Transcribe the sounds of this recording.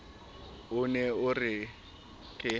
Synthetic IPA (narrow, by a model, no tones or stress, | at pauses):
ʊnɛʊrɪ | kʼɪ